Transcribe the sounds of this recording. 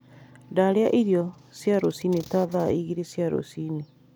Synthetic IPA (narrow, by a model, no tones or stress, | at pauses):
ndaɾeaʔiɾjɔsjaɾosinetaðaiɣiɾesjaɾo̰sini